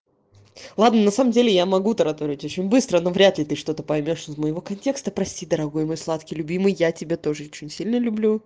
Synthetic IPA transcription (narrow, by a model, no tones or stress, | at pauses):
lˠad̪nənɐsaməmdʲelʲɪjamɐɡut̪ɐɾɐt̪oɾʲɪɪtʲo̞t͡ɕɪnʲbɨst̪ɾəno̞vɾʲat̪lʲɪt̪ɨʂt̪o̞t̪əpɐjmʲo̞ʂɪzməjɪvo̞kɐnʲtʲe̞kst̪əpɾɐsʲtʲid̪əɾɐɡo̞jmo̞jslˠat̪kʲɪjlʲʊbʲimɨjːatʲɪbʲe̞t̪o̞ʐɨot͡ɕɪnʲsʲilʲnəlʲʊblʲu